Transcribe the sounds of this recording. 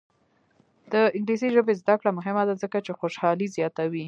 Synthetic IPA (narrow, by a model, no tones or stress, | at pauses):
d̪̥əɪŋɡlisiʒəbezd̪akɽamʊɦɪmad̪azəkat͡ʃexoʃɑlizjɑt̪awi